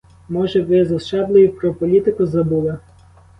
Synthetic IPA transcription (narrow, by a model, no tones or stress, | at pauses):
mɔʒɛʋɪzɐst͡ʃɑblˠɪjipɾɔpɔlʲit̪ɪkʊzɐbulˠɐ